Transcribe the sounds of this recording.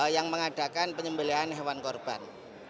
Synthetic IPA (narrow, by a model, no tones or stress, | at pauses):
jaŋməŋada̤kanpəɲəmbəliɦanɦewankɔrb̥an